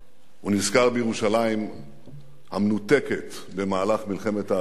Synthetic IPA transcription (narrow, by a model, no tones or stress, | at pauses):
unizkaʁbejeʁuʃalajim | hamnut̪e̞ke̞t | be̞maːlaχmilχe̞me̞t̪a